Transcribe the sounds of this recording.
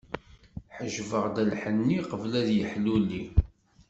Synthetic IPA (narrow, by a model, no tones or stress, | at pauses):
ħəʒvəʁd̪ælħənːiqəvlæðjəħlulːi